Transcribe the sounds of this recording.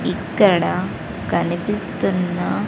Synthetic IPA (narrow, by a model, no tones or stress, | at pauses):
ikːɐɾɐɽɐ | kɐnɐpist̪unːɐ